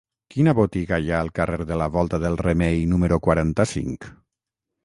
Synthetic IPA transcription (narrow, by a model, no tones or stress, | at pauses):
kinaβot̪iɣajaəlˠkareɾðəlaβɔlˠt̪aðəlˠremejnuməɾukwaɾant̪asḭŋk